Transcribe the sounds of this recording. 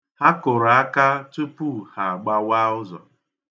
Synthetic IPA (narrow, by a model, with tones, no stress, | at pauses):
ha˦kʊ˨ɾa˦ka˦tu˦pu˦ha˨a˨ɡ͡ba˦wa˦ʊ˦zɔ̰˨